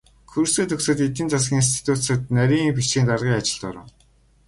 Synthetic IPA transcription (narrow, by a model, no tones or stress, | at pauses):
kʰuɾseːt̪ʰɵksɵ̆t̪et̪ĭːnt͡sasɡʲiːŋins̬t̪ʰi̥t̪ʰut̪sə̆t̪næɾʲiːŋpiʃiːnt̪arʁiːŋat͡ɕɪ̆ɮt̪ɔ̰ɾə̰̆w